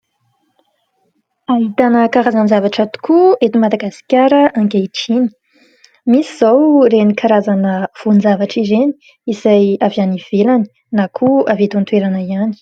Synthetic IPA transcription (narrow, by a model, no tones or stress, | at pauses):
ait̪anəkaɾazanzavaʈ͡ʂat̪u̥kʰuet̪imad̪aɡasi̥kʲjaɾəʔaŋɡeʈ͡ʂini̥ | misiz̥awɾenikʰaɾazanəv̥unzavaʈ͡ʂizeni̥ | isajavaniv̥elani̥ | nakʰuavet̪ant̪weɾanaiani̥